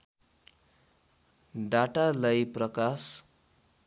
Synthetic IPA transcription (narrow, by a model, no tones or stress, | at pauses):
ɖaʈalajprʌkas